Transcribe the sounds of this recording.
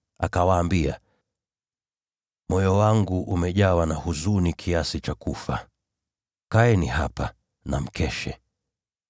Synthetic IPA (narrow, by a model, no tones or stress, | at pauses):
a̰kawaːmbia | mɔjɔwaŋɡuʔumɛʄawanahuzunikʰiasit͡ʃakufa | kaɛnihapa | na̰m̩kʰɛʃɛ̰